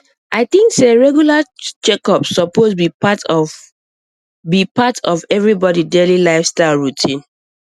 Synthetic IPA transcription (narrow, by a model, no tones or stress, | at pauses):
aɪθĩŋkseɹɛɡjulat͡ʃɛkɔpsɔposbipat | bipatʰɔvɛvɹibɔdidelilaɪfstaɪlɹutʰĩn